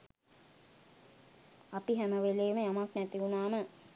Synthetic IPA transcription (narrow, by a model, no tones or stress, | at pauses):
apiɦæməʋeleːməjamaknæt̪iunaːmə